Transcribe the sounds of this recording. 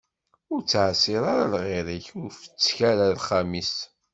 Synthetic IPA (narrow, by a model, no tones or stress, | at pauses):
ʊɾt͡sːʕsiɾˤaɾalʁɪɾiçʊnfə̥t͡sːçæɾalχæmis